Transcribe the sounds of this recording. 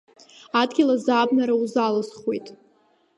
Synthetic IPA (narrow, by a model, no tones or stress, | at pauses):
adɡʲilazabnaɾauzalɨsχwejtʼ